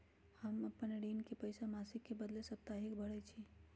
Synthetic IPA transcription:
həməpənɖinkepəjsamasikːebəd̪lesəp̚t̪aɦikbʱəɽɛt͡ʃʰi

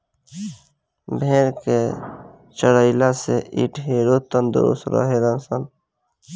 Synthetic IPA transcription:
bʱẽːɾke | t͡ʃəɽəɪlaseʔḭʈɦeɾot̪ənd̪ʊ̰ɾṵst̪ɾə̰ɦeɾənsən

